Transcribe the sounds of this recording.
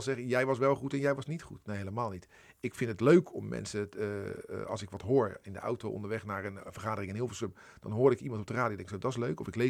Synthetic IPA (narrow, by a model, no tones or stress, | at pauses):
zɛχəjɛjʋɑsʋɛlˠχutɛnjɛjʋɑsnitχutnejɦeləmaːlˠnit | ɪkfɪntətløɥkʰɔmːɛ̰nsə̰ | ɑ̰lˠsɪkʋɔtɦoːɹɪndə̰ʔa̰wtowʔɔ̰ndəɹʋɛχnaːrənfərχaːdərɪŋənɦɪːlˠflˠsøp | d̥ɑ̰nɦoːɾɪkimɑntɔp̚dəraːdiodɛŋksodɔtɪs̬løɥkɔ̰fɪkle